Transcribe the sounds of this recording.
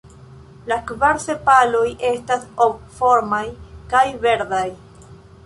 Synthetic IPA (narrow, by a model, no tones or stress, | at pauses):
lakvaɾsepalo̞jʔe̞stasob̚fo̞ɾmajkajve̞ɾdaj